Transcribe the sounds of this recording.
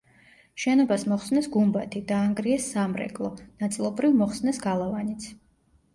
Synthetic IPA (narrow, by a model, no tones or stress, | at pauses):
ʃɛnɔbasmɔχsnɛsɡumbat̪ʰid̪aːŋɡɾiɛsːamɾɛ̰kʼlˠɔnat̪sʼilˠɔbɾivmɔχsnɛsɡalˠavanit̪sʰ